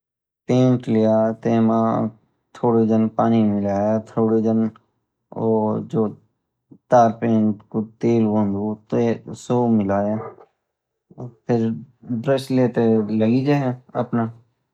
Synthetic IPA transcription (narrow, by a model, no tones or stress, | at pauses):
pẽːɳʈlijaːt̪eːmaː | t̪ʰoːɽid̪ənpaːnimɪlaːjat̪ʰoːɽid̪ən | oːd͡ʒoː | t̪aːɾpẽːɳʈkot̪eːlbə̃nd̪ot̪esoːmɪlaːja | pʰɪɾɖɾesleːt̪eləɡiːd͡ʒeɦɛ̃ɐ̰pnaː